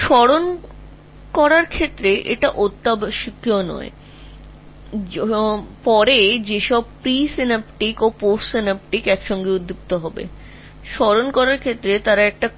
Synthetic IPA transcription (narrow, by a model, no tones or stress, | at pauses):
ʃɔɾon | kɔɾaɾkʰet̪ːɾeʔeʈaʔot̪ːabʃikːionɔ̰ḛ | pɔɾed͡ʑeʃɔb̚pɾisinapʈikoposʈsinap̚ʈikɛkʃɔŋɡeud̪ʱːup̚t̪oɦɔbḛ | ʃɔɾonkɔɾaɾkʰet̪ːɾet̪aɾaɛk̚ʈa